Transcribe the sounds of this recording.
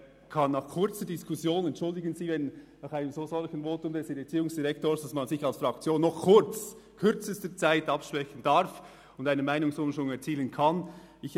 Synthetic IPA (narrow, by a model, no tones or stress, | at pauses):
kʰɑnːɑχkʰʊɾt͡sədiskʰusjoːnɛntʃʊldɪɡənziːvɛnnɑχaɪnəmzoːzɔlçən̩voːtʊmdɛsɪet͡siːʊŋsd̥iʁɛk̚toːsd̥asmɑnzɪçɑlsfʁɑkt͡sjoːnːɔχkʰʊɾt͡s | kʰʏɾt͡səstət͡saɪtɑpʃpʁ̥ɛçən̩d̥ɑɾf | ʊndaɪnəmaɪnʊŋsʊnʃʊŋɛɾt͡siːlənkʰɑn | ɪç